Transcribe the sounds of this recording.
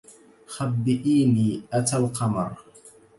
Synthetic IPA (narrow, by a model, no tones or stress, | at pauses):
xabːɪʔiːniːʔat̪alqɑmɑ̰ɾˤ